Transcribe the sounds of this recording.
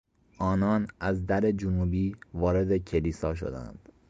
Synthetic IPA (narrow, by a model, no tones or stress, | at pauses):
ʔɒːnɒːnʔæzd̪æɾe̞d͡ʒunuːbiːvɒːɾe̞d̪e̞cʰe̞liːsɒ̰ːʃ̬o̰d̪æ̰nd̪̥